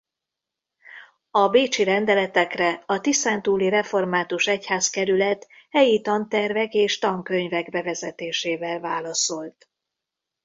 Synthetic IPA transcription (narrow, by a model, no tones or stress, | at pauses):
ɒbeːt͡ʃiɾɛnd̪ɛlɛt̪ɛkrɛɒt̪isaːnt̪uːliɾɛfo̞rmaːt̪uʃɛchaːskɛɾylɛt̪hɛjit̪ɒnt̪ɛrvɛkeːʃt̪ɒŋkø̞ɲvɛɡbɛvɛzɛt̪eːʃeːvɛlvaːlɒso̞lt̪